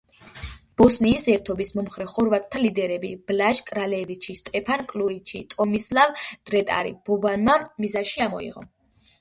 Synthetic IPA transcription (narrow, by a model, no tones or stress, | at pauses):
b̥ɔsniːsɛɾt̪ʰɔbismɔmχɾɛχɔɾvat̪ʼt̪ʰːalid̪ɛɾɛbḭb̥laʒkʼɾalɛvit͡ʃʰist̪ʼɛpʰankʼluit͡ʃʰḭt̪ʼɔmislavd̪̥ɾɛt̪ʼa̰ɾḭb̥ɔbanmamizaʃiamɔ̰ḭʁɔ̰